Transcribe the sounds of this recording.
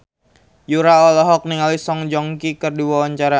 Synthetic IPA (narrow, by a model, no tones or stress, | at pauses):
juɾaɔlɔɦɔk̚niŋalisɔŋd͡ʒɔŋkikərdiwawaɲt͡ʃaɾa